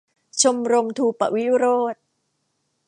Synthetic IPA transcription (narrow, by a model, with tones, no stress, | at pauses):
t͡ɕʰo˧mɾo˧mt̪ʰuː˧pa̰˨ʔwi˦˥ɾoː˥˩t̪̚